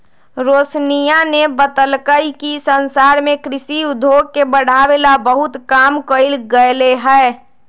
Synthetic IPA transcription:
ɾoːsnijanebət̪əlkəjkisənsaɾmẽkɾɪsiʊd̪ʱoɡ̚kebəɽ̤awelabəɦʊt̪kamkəɪlɡəjleɦɛ

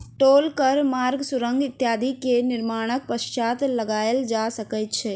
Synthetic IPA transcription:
ʈoːlkəɾmaːɾɡsʊɾə̃ŋɡɪt̪jaːd̪ʱikenɪɾmaːɽ̃ək̚pəʃt͡ʃaːt̪lɐɡaːjəld͡ʒaːsəkət̪t͡ʃʰɛː

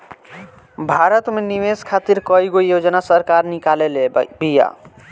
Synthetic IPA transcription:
bʱaɾət̪meniʋeskʰat̪iɾkɔjɡojod͡ʒnasəɾkaɾnikalelebija̰

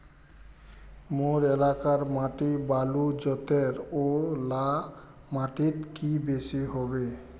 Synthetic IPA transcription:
moɾelakaɾmaʈibalud͡ʑɔt̪eɾola | maʈit̪kibeʃiɦɔbe

